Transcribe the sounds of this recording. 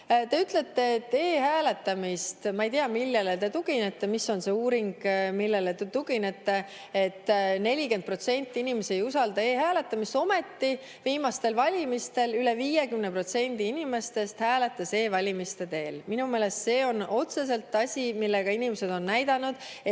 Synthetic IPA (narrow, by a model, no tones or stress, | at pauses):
t̪e̞yt̪le̞t̪ːe̞ːt̪ːe̞ːɦæːle̞t̪ːɑmist̪mɑejt̪iɑmilːelet̪e̞t̪uɡ̥inet̪ːemisːo̞nse̞uːɾiŋɡ̥milːe̞let̪t̪uɡinet̪ːe̞ | et̪ːne̞lʲike̞nd̪̚pro̞t̪se̞nʲt̪ːˑiinimesiejusɑld̪ɑeːɦæːle̞t̪ːˑɑmist̪o̞me̞t̪ːi | viːmɑst̪e̞lvɑlʲimist̪e̞lyleviːje̞kymnepro̞t̪se̞nʲd̪̥iinime̞st̪e̞st̪hæːle̞t̪ːˑɑse̞ːvɑlʲimist̪e̞t̪e̞ːlminume̞ːle̞st̪se̞ːo̞no̞t̪se̞s̬e̞lt̪ːˑɑsʲimilːeɡ̥ɑinimese̞d̪o̞nːæjd̪̥ɑnud̪̥ | e